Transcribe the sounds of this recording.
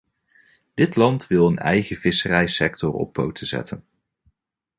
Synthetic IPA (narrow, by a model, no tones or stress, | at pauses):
d̥ɪtlɑntʋɪlˠənɛjχəv̥ɪsərɛjsɛk̚tɔɹɔ̰p̚powtəz̥ɛ̰tʰən